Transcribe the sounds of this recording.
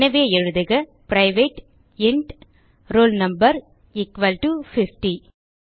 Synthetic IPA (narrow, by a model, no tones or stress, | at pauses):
nɐʋeːɛɻɯðɯɣɐpɾɐɪʋeːʈ | ɪɳɖ | ɾoːlnɐmbɐɾ | ɪkʋɐlʈufɪfʈi